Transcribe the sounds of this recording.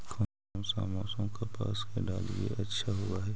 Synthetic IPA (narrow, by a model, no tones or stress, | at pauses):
kʰɐ | msa̰ːmaːsõmkapa̰ːskeɖaːlijḛʔɐtːʃʰaɦʊwaɦɛː